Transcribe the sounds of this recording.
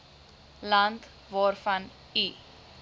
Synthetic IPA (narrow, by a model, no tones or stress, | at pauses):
lɐnt | vɑːrfɐn | i